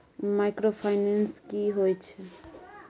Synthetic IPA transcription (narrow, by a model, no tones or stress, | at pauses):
majkɾopʰajnenskiɦojt͡ʃʰe